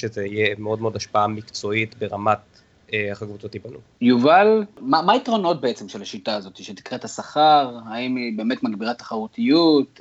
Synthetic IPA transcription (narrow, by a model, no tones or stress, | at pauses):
ʃezeijemeo̞d̪meo̞d̪aʃpaamikt͡so̞it̪beʁamat̪̚ | eaχakvut͡sot̪ipanṵ | juvalmamaitʁo̞no̞t̚be̞et͡semʃelaʃitaːzo̞t̪iʃeti̥kʁethasaχaʁhaimibe̞ːme̞t̪maɡbiʁat̪ḁχaʁut̪ijut̪